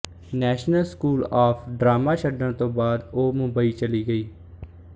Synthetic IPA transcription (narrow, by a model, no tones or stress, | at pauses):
nɛːʃnəlskuːlaːpʰɖɾaːmaːʃəɖəɳt̪õːbaːd̪oːmʊ̃mbaiːt͡ʃəliːɡəiː